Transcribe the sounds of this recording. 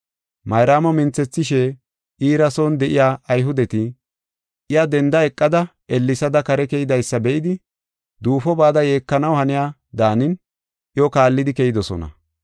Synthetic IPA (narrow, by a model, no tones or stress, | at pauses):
mɐjɾaːmɔmɪnt͡sːɛt͡sːɪʃɛ | ʔiːɾɐso̞ːnd̪ɛʔɪjaːɐjɦʊd̪ɛt̪ɪ | ʔɪjad̪ɛnd̪ɐɛkʼːɐd̪ɐ | ɛlːɪsɐd̪ɐkɐɾɛkɛjɪd̪ɐjsːɐbɛʔɪd̪ɪ | d̪uːfɔbaːd̪ɐje̞ːkːɐnɐwhɐnɪjaː | d̪aːnɪn | ʔɪjɔkaːlːɪd̪ɪkɛjɪd̪ɔsɔ̰nɐ̰